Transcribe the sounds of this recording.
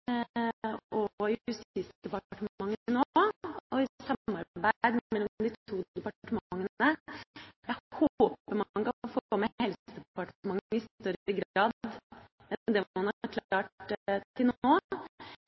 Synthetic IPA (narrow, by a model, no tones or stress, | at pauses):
ɔɪʉsiːsd̪̥ɛpɑʈəmmɑŋːɪnoːɔɪsɑːɑɾbæɪd̪mmɛlːɔd̪ɪt̪ʰuːd̪ɛpɑʈəmŋːəə | jæɪhooːpəɾmɑɑnkɑfoɡɔmɛhɛlsəd̪ɛpɑʈmɑŋːɪst̪œɾɪɡɾɑːd̪ | ɛd̪ɛɑnhɑɾkʰlɑːʈt̪ʰɪlnoː